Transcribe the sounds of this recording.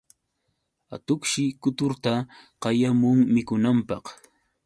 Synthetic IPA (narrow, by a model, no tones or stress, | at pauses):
a̰t̪ʊkʃɪkʊt̪ʊɾt̪aqɑjamʊŋmɪkʊnampɑq